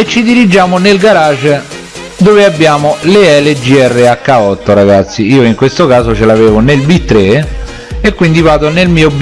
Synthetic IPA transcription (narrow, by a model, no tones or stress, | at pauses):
et͡ʃːid̪iɾid͡ʒaːmonelɡaɾaːt͡ʃ | d̪oːveabːjaːmoleɛled͡ʒiɛrːeakːaɔt̪ːoɾaɡat̪sːiiːoiŋkwest̪okaːzot͡ʃelaveːvonelbit̪ːɾe | ekːwind̪ivaːt̪onelmiːob